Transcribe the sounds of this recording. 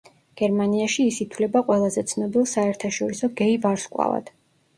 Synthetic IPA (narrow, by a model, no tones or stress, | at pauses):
ɡ̥ɛɾmaniaʃiːsit̪ʰwlɛbaqʼwɛlˠazɛt̪sʰnɔbilˠsaɛɾt̪ʰaʃɔɾisɔɡɛivaɾskʼwa̰va̰d̪̥